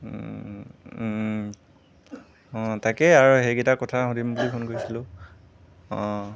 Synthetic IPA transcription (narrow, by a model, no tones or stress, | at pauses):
ɔ̃takɛaɹuɦejɡiɛtakɔtʰaɦõdimbulipʰonkoɹisilʊ̃ | ɔ̃